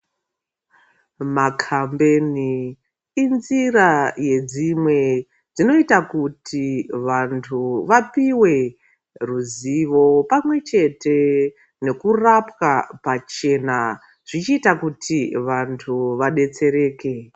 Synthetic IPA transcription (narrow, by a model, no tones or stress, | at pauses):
makʰambeni | inziraje̞d͡zimwe̞ | d͡zino̞itakutʰiʋantʰuʋapiwe̞ | ruziʋo̞pamwe̞t͡ʃe̞te̞ | ne̞kurapwapat͡ʃe̞na | ʐ̥it͡ʃiːtakutʰiʋantʰuʋaɗe̞t͡se̞ɾe̞ːke̞